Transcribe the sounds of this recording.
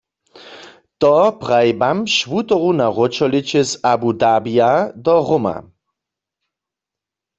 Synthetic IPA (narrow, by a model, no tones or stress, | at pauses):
t̪ɔpʁajbamʃʋut̪ɔʁunaʁɔt͡ʃɔlit͡ʃɛzabud̪abijad̪ɔʁoma̰